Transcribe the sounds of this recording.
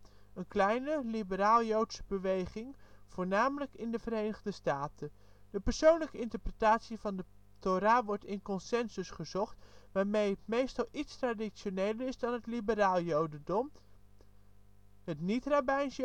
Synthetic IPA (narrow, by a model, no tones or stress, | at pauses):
ənklɛjnəlibəraːlˠjowtsəbəʋejχɪŋv̥oːɹnaːmələkɪndəvəɾejnəʁdəstaːtə | d̥əpəɹsownləkəɪntəɹprətaːtsivɑndə | toɾaːʋɔɹtɪnkɔnsɛnzəsχəzɔχtʋaːɹmejɦətmejstɑlˠʔitstraːdiʃonejləɹɪzdɑnɦətlibəɾaːlˠjowdədɔm | ɦətnitrabɛjns